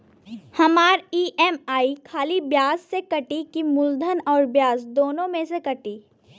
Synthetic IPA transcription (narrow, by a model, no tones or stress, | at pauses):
hɐmaːɾiːʔɛmaːikʰaːlibjaːssekɐʈikimʊld̪ʱənɔːɾbjaːsd̪oːnõmẽsekɐʈiː